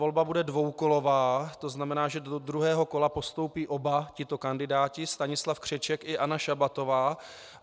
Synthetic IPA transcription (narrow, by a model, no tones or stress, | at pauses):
o̞lbabudɛdvo̞wko̞lo̞vaːt̪o̞znamɛnaːʒɛdod̪ɾuɦɛːɦo̞ko̞lapo̞st̪o̞wpiːʔo̞bacɪt̪o̞kandɪdaːcɪst̪aɲɪslafkr̥ɛt͡ʃɛkɪʔanaʃabat̪o̞vaː